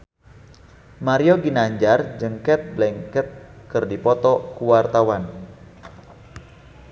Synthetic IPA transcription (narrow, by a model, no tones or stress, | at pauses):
maɾiɔɡinaɲd͡ʒard͡ʒəŋkɛt̪̚blɛŋkɛt̪̚kɨrdipɔt̪ɔkuwart̪awan